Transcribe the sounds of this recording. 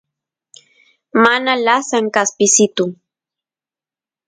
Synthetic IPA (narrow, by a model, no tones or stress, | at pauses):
manalasaŋkaspɪsɪt̪ʊ